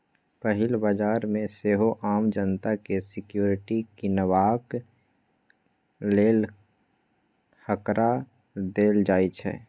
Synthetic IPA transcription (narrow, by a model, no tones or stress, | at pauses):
pəɦɪlbad͡ʒaːɾmẽseɦoʔaːmd͡ʒənt̪akesɪkjoːɾɪʈikinəʋaːk | leːl | həkɾʔa | d̪eːld͡ʒaːit͡ʃʰɛ̰ː